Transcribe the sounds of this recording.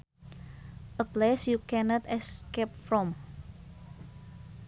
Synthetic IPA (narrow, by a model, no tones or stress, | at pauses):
ʔəplesjukɛnɔt̪ɛskep̚fɹɔ̃m